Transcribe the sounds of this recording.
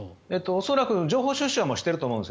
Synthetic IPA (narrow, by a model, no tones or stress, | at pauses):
et̪ːoːso̞ɾakɯ̟d͡ʑo̞ːɦoːɕɨːɕːɨamoːɕi̥t̪ːeɾɯt̪oːmõesk